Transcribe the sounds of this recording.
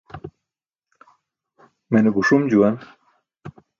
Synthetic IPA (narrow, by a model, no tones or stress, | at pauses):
menebuʂumd͡ʑuwan